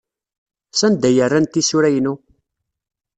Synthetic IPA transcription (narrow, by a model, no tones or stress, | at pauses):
sænd̪æjərːænt̪isʊɾæjnu